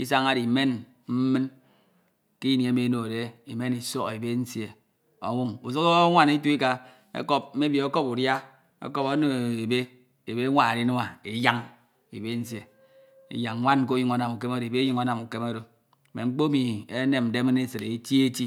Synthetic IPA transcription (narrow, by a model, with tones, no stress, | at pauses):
i˦s̬a˦ŋa˦di˨me˦n | m̩˦mɨ˦n | ki˦ni˨e˨˦me˨no˨de˨i˨me˦ni˨so˦ɣe˨be˦n̩˦sje˨ | o̰˨wu˦ŋu˨so˦ko˦ŋʷa˦˨ni˦tu˦i˦ka˨ | ḛ˦ko˦p̚m̩˦me˦bji˨o˦ko˦pu˨dja˦ | ḛ˦ko˦po˦no˦˨e˨be˦ | e˨be˦ŋʷa˨ɾi˦no˦ma˨i˨ja˦ŋ | i˨be˦n̩˦sje˨ | ḭ˦ja˨ŋŋʷa˦n˦k̬o˦ji˦ŋo˨˦na˨mu˨ke˦mo˦ɾbe˦ji˨ŋo˦na˨mu˨ke˦mo˦ɾo˨ | me˨ŋ͡m̩˦k͡po˦mi˨e˦ne˨m̩˨de˦me˦ne˦sɨ˨ɾe˨e˦ti˦e˦ti˦